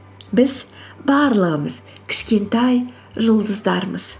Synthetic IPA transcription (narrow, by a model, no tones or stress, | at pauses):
bɪz | bɑɾlˠəʁəməz̥ | kʲʰɪ̥ʃkʲe̞nt̪ɑj | ʒʊlˠd̪əzd̪ɑɾməz̥